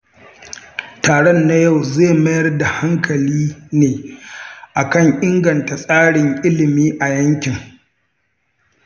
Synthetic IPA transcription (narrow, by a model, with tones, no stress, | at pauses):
taː˨ɽɔ˦nːa˦ja˦˨wzeː˦˨mɐ˦jɐ˦rda˨ha˦ŋkʰɐ˨liː˦neː˨ | ʔa˨kɐ˦˨ŋʔɪ˦ŋɡɐ˨nta˨sʼaː˦ɽɪ˨ŋʔɪ˦lɪ˨miː˦ʔa˨jɐ˦ŋkʲɪ˨ŋ